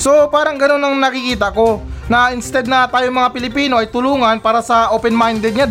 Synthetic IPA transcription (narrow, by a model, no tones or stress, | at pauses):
so̞paːɾɐŋɡɐno̞nːɐŋnɐkɪkiːt̪ɐko̞nɐɪnst̪ɛd̪̚nɐt̪aːjoŋmɐŋapɪlɪpiːno̞ʔɐjt̪ʊluːŋɐnpaːɾɐsɐʔopɛnmajnd̪ɛd̪ɲa